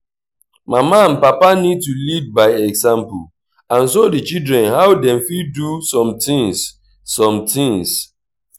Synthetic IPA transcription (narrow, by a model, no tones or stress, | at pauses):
mamaãnpapanid̚tulid̚baɪɛɡzãmpu | ãns̬odit͡ʃildɾɛ̃nɦawdɛ̃mfidusɔ̃mtĩŋsː | ɔ̃mtʰĩŋs